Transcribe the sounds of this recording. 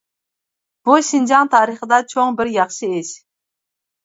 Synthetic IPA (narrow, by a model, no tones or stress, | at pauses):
b̥uʃind͡ʒɑŋt̪ʰɑːɾəχəd̪ɑt͡ʃʰoŋbɪɾjɑχʃɨɪʃ